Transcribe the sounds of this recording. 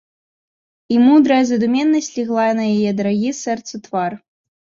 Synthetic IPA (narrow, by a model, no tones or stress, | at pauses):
imud̪ɾɐjɐzɐd̪umʲɛnːɐsʲlʲiɣlˠajɐnɐjajɛd̪ɐɾaɣʲisɛrt̪sɐt̪var